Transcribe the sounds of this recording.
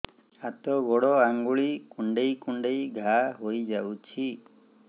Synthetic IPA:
at̪ɔɡɔɽɔaŋɡuɭikuɳɖejkuɳɖejɡʱaɦojd͡ʒawt͡ʃʰi

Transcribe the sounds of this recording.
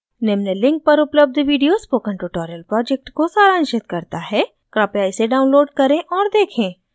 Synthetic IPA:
nɛmnəlːɪ̃ŋk̚pɐɾʊpləb̚d̪ʱʋiːɖijoːspoːkə̃ɳʈuʈɔːɾəlpɾɔːd͡ʒɛk̚ʈkosaːɾãːnʃɪt̪kɐɾt̪aɦɛ | kɾaːpjaːiseɖaːʊ̃nloːɖ̚kɐɾẽʔɔːɾd̪eːkʰẽː

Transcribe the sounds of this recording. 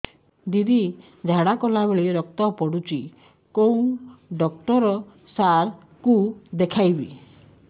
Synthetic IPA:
d̪id̪i | d͡ʒʱaɽakɔlaβeɭiɾɔk̚t̪ɔpɔɽut͡ʃi | kow̃ɖɔk̚ʈɔɾɔ | saɾ | kud̪ekʰajbḭ

